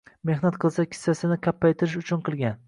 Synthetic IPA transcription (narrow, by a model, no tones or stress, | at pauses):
me̞hnat̪qʰɨlˠsakʲʰɪ̥sːasɪnɪkʲʰapːajt̪ʰɪɾɪʃʊt͡ʃʰʊnqʰɨlˠɡʲan